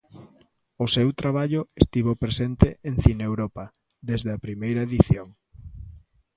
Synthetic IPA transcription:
ʊsewt̪ɾaβ̞aʎʊest̪iβ̞opɾesent̪eʔeŋθinewɾɔpɐ | d̪ezðeɐpɾimejɾɐeðiθjoŋ

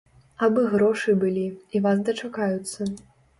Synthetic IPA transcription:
abɨɣɾɔʂɨbɨlʲiivas̬d̪ɐt͡ʂakajut̪sːɐ

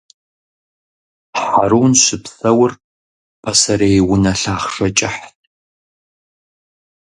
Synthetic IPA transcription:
ħaɾuːnɕɪpsɐwʊr | pʰɐsɐɾejwʊnɐɬaːχʂɐt͡ʃʼɪħtʰʼ

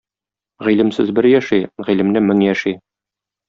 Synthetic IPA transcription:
ʁilɘ̆msɘzbɘɾjæʃiʁilɘ̆mnɘmɘŋjæʃi

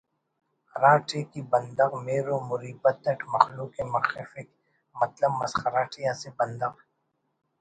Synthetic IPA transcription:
ɾaːʈʰekibɐ̃nd̪ɐɣmeːɾomʊɾiːbɐt̪̚ːɐʈmɐxluːkemɐxɪfɪk | mɐt̪ləbmɐsxɐɾaːʈʰijãsebɐ̃nd̪ɐɣ

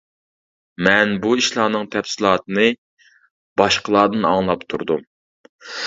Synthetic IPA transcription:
mɛnbuiʃlˠɑːnɨŋt̪ʰɛfsɪlˠɑːt̪ɨnɨ | b̥ɑʃqəlˠɑːd̪ɨnɑ̰ŋlˠɑpt̪ʰṵɾd̪um

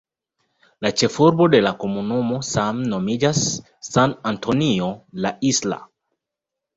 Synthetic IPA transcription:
lat͡ʃe̞fuɾbo̞de̞lako̞munumo̞samno̞mid͡ʒasː | anantʰonio̞laʔisla̰

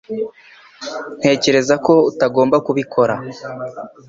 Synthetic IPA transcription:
n̥he̞ːce̞ɾe̞zako̞utaɡo̞ːmbakuβikʰo̞ɾa

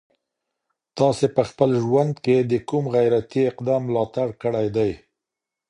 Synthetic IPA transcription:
t̪ɑsepəxpəlʒwand̪ked̪əkumɣajɾat̪iɪqd̪ɑmːlɑt̪aɽkəɽajd̪aj

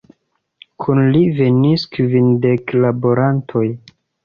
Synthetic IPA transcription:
kʰunlive̞niskvindeklaboɾantʰo̞j

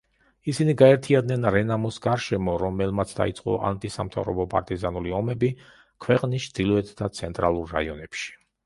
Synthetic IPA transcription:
isiniɡaɛɾt̪ʰiad̪nɛnɾɛnamɔsɡaɾʃɛmɔɾɔmɛlˠmat̪sʰd̪a̰it̪sʼqʼɔ̰ʔa̰nt̪ʼisamt̪ʰa̰vɾɔ̰bɔpʼa̰ɾt̪ʼizanuliɔmɛbi | kʰwɛqʼnist͡ʃʰd̪̥ilˠɔɛt̪ʰd̪at̪sʰɛnt̪ʼɾalˠuɾːaiɔnɛpʃi̥

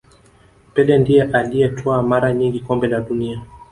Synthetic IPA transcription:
pɛlɛndijɛʔalijɛtʰɔamaɾaɲiŋɡikɔmbɛlaɗunia

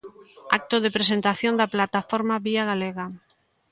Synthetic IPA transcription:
ak̚t̪oðepɾesent̪aθjond̪aplat̪afoɾmaβiaɣaleɣa

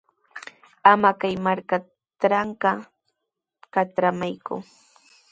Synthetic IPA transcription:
amakajmaɾka | tɾaɴkɑ | kaʈ͡ʂɾamajkʊ̰

